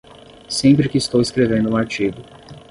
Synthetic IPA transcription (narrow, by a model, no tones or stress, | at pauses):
sẽmpɾɪkɪːst̪owɪskɾevẽnd̪ʊũaɾt͡ʃiɡʊ